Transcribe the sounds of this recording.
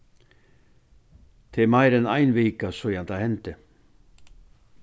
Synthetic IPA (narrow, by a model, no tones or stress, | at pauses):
t̪ʰɪmajɾɛnajnveːkasɔjant̪ʰahɛnt̪ɪ